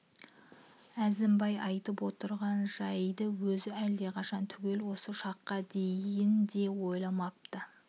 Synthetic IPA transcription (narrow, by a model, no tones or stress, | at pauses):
æzɪmbɑjɑjt̪əpwo̞t̪əɾʁɑnʒɑjd̪əwɵzɪæld̪e̞qʰɑʃɑnt̪ʰʏɡʲe̞lwo̞səʃɑqːɑd̪e̞jɪnd̪e̞wo̞jlˠɑmɑp̚t̪ə